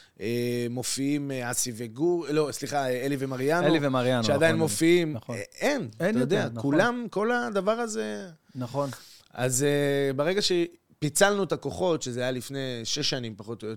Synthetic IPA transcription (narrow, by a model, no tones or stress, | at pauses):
ʔemo̞fiimeasiveɡulo̞sliχaeelivemaʁijanlivemaʁjanʃead̪ajinmo̞fiimenaajod̪eakulamko̞lad̪avaʁaze | naχona̰zebeʁeɡaʃe | pit͡salnuet̪ako̞χo̞t̪ʃezeajalifne̞ʃeʃːanimpaχo̞t̪oot